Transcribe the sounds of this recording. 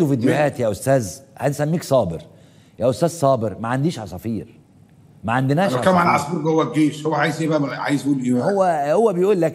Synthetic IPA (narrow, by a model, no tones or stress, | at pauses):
ufid̪ːehæːt̪jæːʔost̪æːzhænsæmːiːksˤɑːbeɾ | jæːʔost̪æːzsˤɑːbeɾmæʕand̪iːʃʕasˤɑfiːɾ | mæʕand̪enæːʃkæːmʕalʕɑsˤbuɾɡhowːæɡeːʃhowːæʕaːjezebæmæʕa̰jezʔuːlʔebæhowːæhowːæbejʔuːlːæk